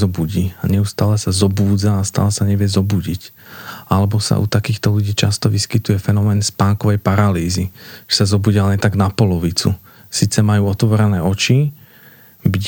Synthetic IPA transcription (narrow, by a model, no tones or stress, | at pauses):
ɔbuɟiːaɲɛust̪aːlɛsazɔbuːd͡zaːst̪a̰ːlɛsaɲɛʋɪɛzɔbuɟicalɛbɔsa̰ʔṵt̪akiːxt̪ɔluɟiːt͡ʃast̪ɔʋiskit̪ujɛfɛnɔmɛːnspaːŋkɔʋɛjpaɾaliːziʒ̥ɛ̥sazɔbuːɟialɛnt̪aɡnapɔlɔʋit͡sṵ | siːt͡sɛmajuːɔt̪ʋɔɾɛnɛːɔt͡ʃi | bi